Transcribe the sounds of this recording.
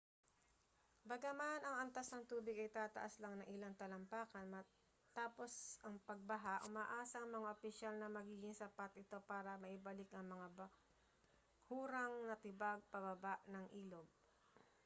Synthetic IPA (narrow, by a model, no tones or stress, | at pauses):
bɐɡamanɐŋɐnt̪asnɐŋt̪uːbɪɡɐjt̪aːt̪ɐ̰ʔaslaŋnɐŋʔɪlaŋt̪ɐlɐmpaːkɐnmɐ | t̪aːpo̞sɐŋpɐɡ̚bɐɦaʔʊmaːʔaːsɐʔɐŋmɐŋaʔopɪʃalnɐmɐɡiːɡɪŋsɐpat̪ʔɪt̪o̞paːɾɐmɐʔɪbɐlɪkʔɐŋmɐŋabɐ | huːɾɐŋnɐt̪ɪbaɡ̚pɐbɐbaʔnɐŋʔiːlo̞ɡ̚